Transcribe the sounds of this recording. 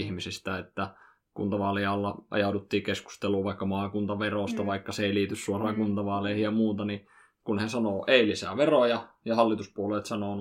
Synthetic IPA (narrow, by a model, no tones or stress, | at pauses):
ihmisist̪æet̪ːæ | kṵnt̪ɑʋɑliɑlːɑʔɑ̰jɑˑudut̪ːiːkesku̥st̪eluːʋɑˑikːɑmɑːkunt̪ɑʋeroˑst̪ɑʋɑikːɑseˑiliːt̪yssuorɑːŋkunt̪ɑʋɑːleihijjɑmuːt̪ɑni | kunhesɑnoːʔeˑilisæ̰ʋerojɑ | jɑhɑlːit̪uspuoleːt̪sɑnoˑn